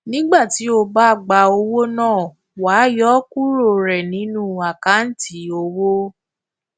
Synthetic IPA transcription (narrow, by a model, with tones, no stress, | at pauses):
nĩ˦ɡ͡ba˦˨ti˨˦o˧ba˦˨ɡ͡ba˧o˧wo˦nãː˦˨ | wa˨˦jɔ˦ku˦ɾo˦˨ɾɛ˨nĩ˨˦nũ˦a˨ka˨˦n̩˦ti˨˦o˧wo˦